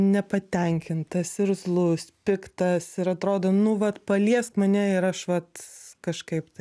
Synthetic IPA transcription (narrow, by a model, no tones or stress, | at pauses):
nʲɛpɐt̪ʲɛŋʲkʲɪnt̪ɐsɪɾzlˠʊspʲɪkt̪ɐsɪɾɐt̪ɾoːd̪onʊʋɐt̪pɐlʲiɛstmɐnʲɛɪɾɐʃʋɐt̪kɐʃkɐɪpt̪ɐɪ